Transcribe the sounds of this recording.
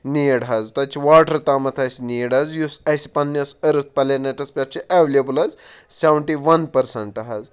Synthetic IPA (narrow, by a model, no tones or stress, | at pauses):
niːjɽɦɐzt̪ɐt͡ʃʰiʋaːʈɐɾt̪aːmɐt̪ʰɐsʲnijɽɐzjusɐjsipɐnːʲɐsɐɾɨt̪̚ʰpɐleneʈɐspʲaʈt͡ʃʰiʔeʋlʲebulɐz | sʲeʋɳʈiʋɐnpɐɾsɐɳʈɐɦɐz